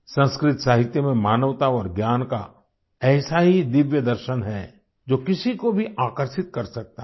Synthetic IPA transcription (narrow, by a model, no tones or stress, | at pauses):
sɐ̃nskɾɪt̪saːɦɪt̪jəmẽmaːnəʋt̪aɔːɾɡjaːnka̰ | ɛːsaɦid̪ɪʋjəd̪əɾʃənɦɛ | d͡ʒoːkɪsikobʱiʔaːkəɾʃɪt̪̚kɐɾsɐk̚t̪a